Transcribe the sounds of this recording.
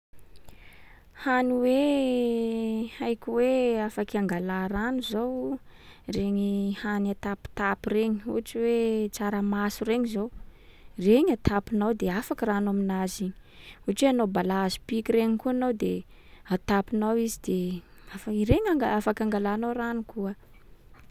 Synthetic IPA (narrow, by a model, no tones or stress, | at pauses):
haniwe | ajkʲiweafakaŋɡalaɾanuzow | reɲihanat̪api̥t̪apireɲiṵʈ͡ʂiwet͡saɾamasureɲizowreɲat̪ʰapinawd̪eafakiranaminaziɲi̥uʈ͡ʂweanobalazi̥pikireɲikuanawd̪e | at̪apinawizid̪e | afaiɾeɲaŋɡaafakʲaŋɡalanowranukuə